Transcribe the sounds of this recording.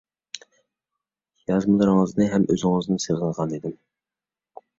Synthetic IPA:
jɑzmɨlˠɨɾŋəznɨɦɛmʔø̰zɪŋɨznɨseʁənʁɑnid̪ɪm

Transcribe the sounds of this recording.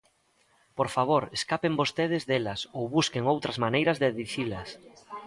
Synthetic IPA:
poɾfaβoɾeskapembost̪eð̞ɪzðelɐsowβuskeŋowt̪ɾɐzmanejɾɐzðeðiθilɐs

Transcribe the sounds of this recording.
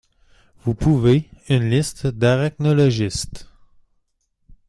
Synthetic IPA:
vupʰuveynlɪst̪d̪aʁɛk̚nɔlɔʒɪst̪

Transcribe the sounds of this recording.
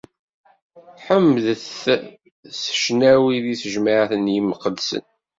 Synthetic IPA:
ħəmːəðθ | sə̥ʃnæwiðisəʒmaʕθənjiməqəd̪sə̰n

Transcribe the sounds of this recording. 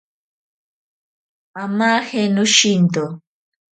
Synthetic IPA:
amahɛnoʃint̪o

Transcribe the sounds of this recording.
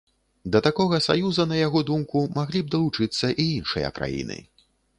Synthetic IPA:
d̪ɐt̪akɔɣɐsa̰juzɐnɐjaɣɔd̪umkumaɣlʲib̚d̪ɐlˠut͡ʂɨt̪sːɐʔiinʂɨ̰jɐ̰kɾa̰jḭnɨ̰

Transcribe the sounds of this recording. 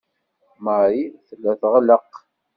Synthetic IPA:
məɾiθəlːæθʁələq

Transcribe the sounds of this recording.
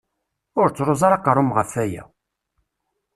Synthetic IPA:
ʊɾt͡sːɾˤozˤɑɾɑqɾˤʊmʁəfæjæ̰

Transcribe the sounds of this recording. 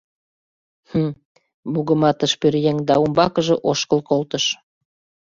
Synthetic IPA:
hə | buɣə̆mɑt̪əʃpyɾjeŋd̪ɑumbɑkəʒɤ̆ʔoʃkəlkolt̪əʃ

